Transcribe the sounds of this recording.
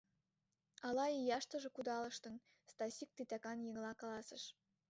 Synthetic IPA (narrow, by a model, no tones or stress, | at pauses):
ɑlɑijɑʃt̪ɤ̆ʒĕkud̪ɑlə̆ʃt̪ɤ̆n | st̪ɑsʲik̚t̪it̪ækɑnjə̆ŋlɑkɑlɑsə̆ʃ